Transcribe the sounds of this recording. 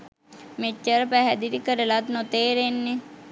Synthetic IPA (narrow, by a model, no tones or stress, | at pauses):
met͡ʃːəɾpæɦɛd̪iɾikəɾəlat̪not̪eːɾenːe